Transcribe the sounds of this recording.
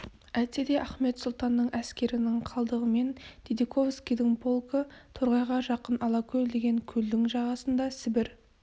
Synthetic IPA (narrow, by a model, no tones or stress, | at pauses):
æt̪e̞d̪e̞ʔæχme̞t̪sʊlˠt̪ɑnːəɴæskʲe̞ɾɪnɪŋqʰɑlˠd̪əʁəme̞nt̪ʰed̪ikʰo̞vskʲijd̪ɪŋbo̞lˠkət̪ʰoɾʁɑjʁɑʒɑqənɑlˠɑkʲʰɵjd̪e̞ɡʲe̞ŋkʲʰɵld̪ɪŋʒɑʁɑsənd̪ɑsɪbɪɾ